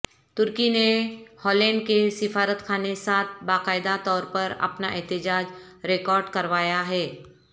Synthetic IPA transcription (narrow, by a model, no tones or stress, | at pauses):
t̪ʊɾkinehɔːlɛ̃ːɳɖkesɪfaːɾət̪kʰaːnesaːt̪̚ʰbaːqaːɪd̪at̪ɔːɾpɐɾɐ̰pnaʔɛɦt̪ɪd͡ʒaːd͡ʒ | ɾekɔːɾɖkɐɾʋaːjaɦɛː